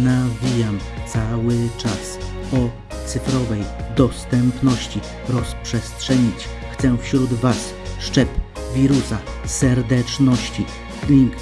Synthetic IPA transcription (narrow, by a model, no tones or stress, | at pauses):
navʲijam | t̪sawɘt͡ʂas | ɔ | t̪sɘfɾɔvɛjd̪ɔst̪ɛmpnɔɕt͡ɕi | ɾɔspʂɛstʂɛɲit͡ɕ | xt̪sɛfɕɾud̪vas | ʂt͡ʂɛp | vʲiɾusa | sɛɾd̪ɛt͡ʂnɔɕt͡ɕi | lʲiŋk